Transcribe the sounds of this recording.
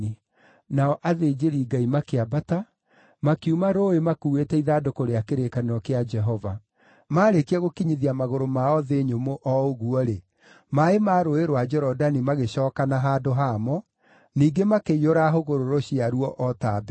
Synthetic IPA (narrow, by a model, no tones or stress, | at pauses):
i | naɔʔaðeːd͡ʒeɾiːɡaimakeabata | makiumaɾoemakuːwetɛiðadokoɾeakeɾekaneɾɔkead͡ʒɛɦɔva | maːɾekiaɣokiɲiðiamaɣoɾomaɔðeɲomoʔɔoɣuɔɾe | maemaɾoeɾwad͡ʒɛɾɔdanimaɣeɕɔːkanaɦaːdoɦamɔ | niːɡemakeioɾaɦoɣoɾoɾoɕiaɾuɔʔɔtab